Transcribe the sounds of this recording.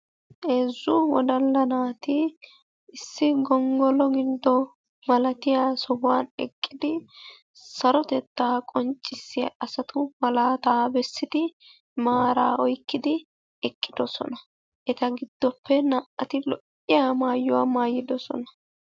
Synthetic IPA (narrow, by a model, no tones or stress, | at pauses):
ʔeːzːʊwɔd̪ɐlːɐnaːt̪ɪ | ɪsːɪɡɔŋɡɔlɔɡɪd̪ːɔ | mɐlɐt̪ɪjaːsɔbʊwaːnɛkʼːɪd̪ɪ | sɐɾɔt̪ɛt̪ːaːkʼɔnt͡ʃʼːɪsːɪjɐ̰ʔɐsɐt̪ʰʊmɐlaːt̪aːbɛsːɪd̪ɪ | maːɾa̰ːɔjkːɪd̪ɪ | ɛkʼːɪd̪ɔsɔ̰nɐ | ʔɛt̪ɐɡɪd̪̥ːɔpʰːɛnaʔɐt̪ɪlɔʔ | ɪjamaːjːʊwaːmaːjːɪd̪ɔsɔ̰nɐ